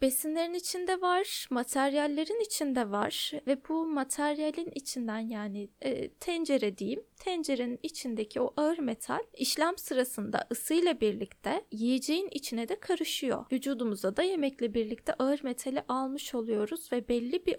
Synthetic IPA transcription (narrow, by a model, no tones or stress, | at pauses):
b̥e̞sinlʲe̞ɾinit͡ʃʰind̪ɛvaɾ̥mat̪ʰæɾjalʲːeɾinit͡ʃʰind̪ɛvaɾ̥vɛbumat̪ʰæɾjalʲinit͡ʃʰind̪ænjaːniːt̪ʰɛnd͡ʒe̞ɾɛd̪ejimt̪ʰɛnd͡ʒe̞ɾeninit͡ʃʰind̪ecʰioʔaɯɾme̞t̪ʰa̰lʲiʃlʲamsɯɾasɯnd̪a̰ʔɯsɯjlˠabiɾlʲict̪ʰɛjijed͡ʒe̞jinit͡ʃʰinɛd̪ɛkʰaɾɯʃɯjo̞̰vyd͡ʒuːd̪umuzd̪ad̪aje̞mɛclʲɛbiɾlʲic̚t̪ʰɛʔaɯɾme̞t̪ʰalʲiʔalˠmɯʃo̞lˠujo̞ɾuz̥vɛbɛlʲːibi